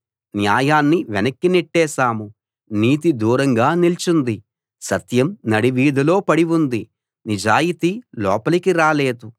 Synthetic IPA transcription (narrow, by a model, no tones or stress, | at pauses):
njaːjaːnːiʋɛnɐkːiniʈːɛːsaːmu | niːt̪id̪uːɾɐŋɡaːnilt͡ʃund̪i | sɐt̪jɐmnɐɽiʋiːd̪ʱɐlo̞ːpɐɽiʋund̪i | nid͡ʒaːjit̪ilɔ̰ːpɐlɐkiɾaːleːd̪u